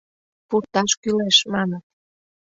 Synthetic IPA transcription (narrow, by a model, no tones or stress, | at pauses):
puɾt̪ɑʃkyleʃmɑnə